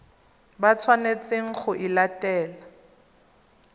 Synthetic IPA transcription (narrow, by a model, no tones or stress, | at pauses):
bat͡sʰwanet͡sʼeŋ̩χʊʔɪlatɛːla